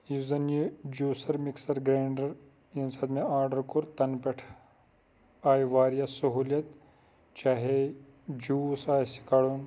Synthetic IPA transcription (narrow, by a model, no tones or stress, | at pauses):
juzɐnjid͡ʒuːsɐɾmiksɐɾɡɾaːɳɖɐɾ | insɐd̪meaːɾɖɐɾkuɾt̪ɐnpeʈʰ | aːjʋaːɾijasɐɦuːljɐt̪ | t͡ʃaːɦe | d͡ʒuːsaːjsi̥kaːɽun